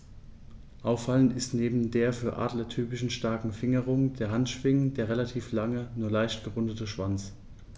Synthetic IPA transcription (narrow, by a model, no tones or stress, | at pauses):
ʔaʊfalənɪstneːbm̩deːɐfyːɐʔa̰ːdlətʰyːpɪʃn̩ʃtaɐkŋ̩fɪŋəʁ̞ʊŋd̥eːɐɦantʃv̥ɪŋənd̥eːɐʁelatʰiːflaŋənuːɐlaɪçtɡ̥əʁʊndətəʃv̥ant͡s